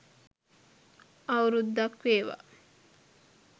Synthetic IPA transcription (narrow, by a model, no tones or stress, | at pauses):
ɐuɾud̪ːɐkʋeːʋa̰